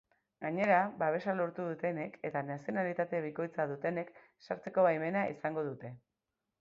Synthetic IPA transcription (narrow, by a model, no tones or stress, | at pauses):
ɡaɲe̞ɾabaβ̞e̞salo̞ɾt̪uðut̪e̞ne̞ke̞t̪anasijo̞nalit̪at̪e̞β̞iko̞jt͡saðut̪e̞ne̞k | saɾt͡se̞ko̞βajme̞naʔḭsaŋɡo̞ð̞ut̪e̞